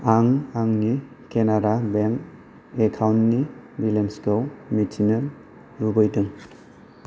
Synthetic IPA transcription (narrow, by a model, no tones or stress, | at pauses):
aŋaŋni | kenaɾabeŋk | ekʰawnːibilenskɔwmitʰinɯ | ɾubɯjdɯŋ